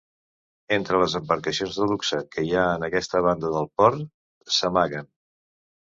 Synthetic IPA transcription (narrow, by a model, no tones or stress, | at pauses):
ent̪ɾələzəmbəɾkəsionzðəluksəkəjaənəkɛst̪əβ̞and̪əðəlˠpɔɾ | səmaɣən